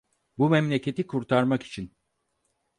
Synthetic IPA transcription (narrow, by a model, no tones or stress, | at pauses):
bumɛmlʲe̞cʰe̞t̪ikʰuɾt̪ʰaɾmaki̥t͡ʃʰin